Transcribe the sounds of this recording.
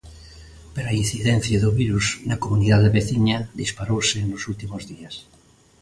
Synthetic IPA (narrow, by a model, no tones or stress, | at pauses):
peɾain̟θiðẽn̟θjaðoβiɾuznakomuniðaðeβeθiɲaðispaɾowsenosult̪imozðias